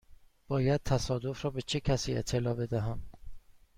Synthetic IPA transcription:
b̥ɒːjæd̪̥̚t̪ʰæsɒːd̪o̞fɾɒːbe̞t͡ʃʰe̞cʰæsiːḛt̪ʰːe̞lɒːbe̞d̪æɦæm

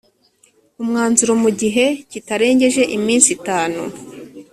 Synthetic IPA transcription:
umŋaːnzuɾomuɟiɦe̞citaɾe̞ːɲɟe̞ʒe̞ʔimiːnsitaːnṵ

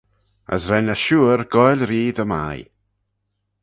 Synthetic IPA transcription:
ə̰sɾɛnəʃuːɾɡɔjlɾiːðəma̰j

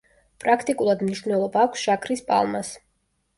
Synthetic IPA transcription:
pʼɾakʰt̪ʼikʼulˠad̪mniʃvnɛlˠɔbaːkʷʰsʒ̥akʰɾispʼa̰lˠmas

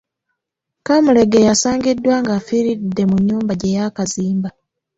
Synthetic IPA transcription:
kamule̞ɡe̞jasaːŋɡidːwaŋɡafiɾidːe̞muɲːuːmbaɟejakaziːmba

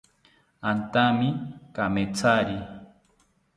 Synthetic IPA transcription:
ant̪amɪkamet͡saɾi

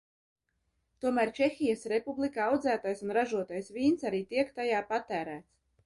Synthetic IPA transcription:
t̪uɔmæːɾt͡ʃɛxʲijəsɾepublˠikaawd̪zæːt̪ajsunɾaʒuɔt̪ajsvʲiːnsaɾiːt̪iɛkt̪ajaːpat̪æːɾæːt̪s

